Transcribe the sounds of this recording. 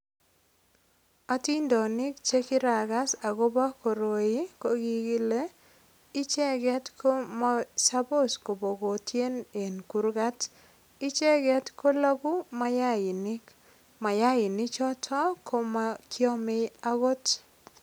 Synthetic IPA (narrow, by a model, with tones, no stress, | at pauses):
a˦ti˦ndɔ˨nɪ˦kt͡ʃe˦kɪ˦ɾa˨ɡa˦sa˨ɡo˦ba˦ko˨ɾo˨ji˦ko˦ɡi˦ɡɪ˦le˦ | ɪ˦t͡ʃɛ˦ɡɛ˦tkʰo˦ma˦sa˦bo˦˨sko˨bo˨ɡo˨tʰje˦ne˨nku˨ɾɡa˦t | ɪ˦t͡ʃɛ˦ɡɛ˦tko˦la˦ɡu˦ma˦ja˦ɪ˨nɪ˦k | ma˨ja˦ɪ˨nɪ˦t͡ʃɔ˦tʰɔ˦kʰo˦makjɔ˦mɪ˦a˦ɡo˦t